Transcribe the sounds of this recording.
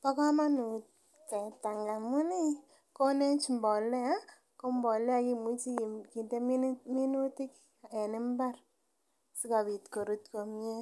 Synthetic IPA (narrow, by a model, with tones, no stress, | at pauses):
pa˦ka˦ma˦nu˨ | tɛ˨ta˨ŋɡa˨mu˦ni˦ | ko˦ne˦nt͡ʃmbɔ˨lɛ˦a˦ | ko˦mbɔ˨lɛ˦a˧ki˨mu˦t͡ʃi˦˨ki˨nde˦mi˦mi˦nu˦ti˦k | ɛ˨nɪ˦mba˦r | si˦ka˨bi˨tko˨ɾu˦tko˨mi˦e˦